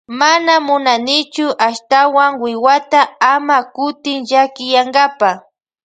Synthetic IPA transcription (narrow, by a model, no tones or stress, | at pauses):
manamʊnanɪt͡ʃʊʔaʃt̪awaŋwɪwat̪aamakʊt̪ɪŋʒakɪjaŋɡapa